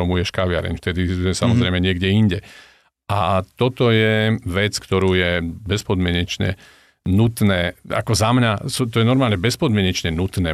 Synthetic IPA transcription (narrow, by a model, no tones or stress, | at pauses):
ɔmujɛʃkaʋɪa̰ɾɛ̰ɲft̪ɛd̪iɛsamɔzɾɛjmɛɲɪɛɡɟɛiɲɟɛ | ʔat̪ɔt̪ɔjɛʋɛt͡skt̪ɔɾuːjɛbɛspɔd̪mɪɛɲɛt͡ʃɲɛ̰ | nut̪nɛːa̰kɔzamɲasut̪ɔjɛnɔɾmaːlɲɛbɛspɔd̪mɪɛɲɛt͡ʃɲɛnut̪nɛː